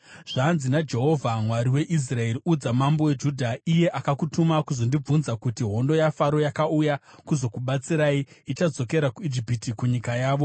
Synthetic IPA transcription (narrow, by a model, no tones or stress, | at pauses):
ʐ̥anzinad͡ʒe̞ɦo̞vʱamwaɾiwe̞ʔis̬rae̞riud͡zamambo̞we̞d͡ʒuːdʱaije̞ʔakakutumakuzo̞ndib͡vunzakutiɦo̞ndo̞jafaɾo̞jakaujakuzo̞kuɓat͡siɾaːiit͡ʃad͡zo̞ke̞ɾakuid͡ʒipitikuɲikajaːʋo̞